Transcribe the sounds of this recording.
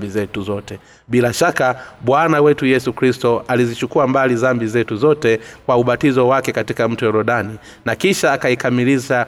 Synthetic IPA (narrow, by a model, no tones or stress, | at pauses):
bizɛtuzɔtɛ | ɓilaʃakaɓwanawɛtujɛsukɾistɔalizit͡ʃukuambalizambizɛtuzɔtɛkwauɓatizɔwakɛkatikam̩tujɛɾɔɗani | nakiʃaːkaikamiliʃa